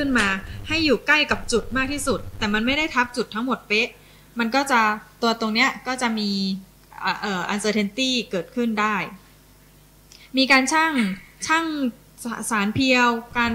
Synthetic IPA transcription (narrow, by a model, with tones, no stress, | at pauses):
kʰɯ˥˩nmaː˧ha˥˩jːuː˨˩kla˥˩jka˨˩p̚t͡ɕu˨˩t̪̚maː˥˩k̚t̪ʰiː˥˩su˨˩t̪ːɛː˨˩ma˧nma˥˩jda˥˩jt̪ʰa˦˥p̚t͡ɕu˨˩t̪ʰːa˦˥ŋmo˨˩t̪̚pe˦˥ʔ | ma˧nkɔː˥˩t͡ɕa˨˩ʔt̪u˧ɐt̪o˧ŋni˦˥ɐkɔː˥˩t͡ɕa˨˩miː˧˨˩ | ʔɤː˨˩ʔa˧nsɤː˧t̪ʰe˧nt̪iː˥˩kɤː˨˩t̪̚kʰɯ˥˩ndaː˥˩j | miː˧kaː˧nt͡ɕʰaː˥˩ŋt͡ɕʰaː˥˩ŋ˩ | saː˩˦npʰi˧əwkaː˧n